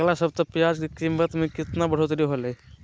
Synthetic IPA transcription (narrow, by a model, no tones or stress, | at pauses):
lasəb̚t̪ɔpjad͡ʒkikimbət̪mekɪt̪nabəɽ̤ot̪ɾiɦolə